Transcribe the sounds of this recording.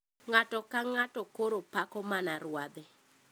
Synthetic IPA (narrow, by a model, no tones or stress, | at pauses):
ŋatɔkaŋatɔkoɾopakɔmanaɾwad̪ɛ